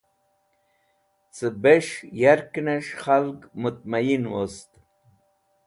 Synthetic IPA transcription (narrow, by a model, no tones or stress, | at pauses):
t͡səbeʂjaɾkneʂχalɡmut̪̚majinwost̪